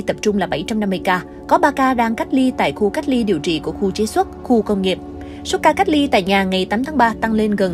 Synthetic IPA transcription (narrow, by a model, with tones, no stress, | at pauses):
t̪ə˨˩p̚t͡ɕʊ˧ŋ͡mlaː˨˩ɓa˧˩jt͡ɕa˧mna˧mːɨ˧jkaː˧ | kɔ˨˦ɓaː˧kaː˧ɗaː˧ŋka˦˥j̚li˧t̪a̰ː˧˨jxu˧ka˦˥k̟̚li˧ɗi˨˩əwt͡ɕḭ˧˨ku˧˩əxu˧t͡ɕe˧˨˦swə˦˥t̚xu˧kə˧wŋ͡mŋi˨˩əp̚ | swt̚kaː˧ka˦˥jk̚li˧t̪a̰ː˧˨jɲaː˨˩ŋa˨˩jt̪aː˨˦t̪ʰːŋɓaː˧t̪a˧ŋle˧nɣə˨˩n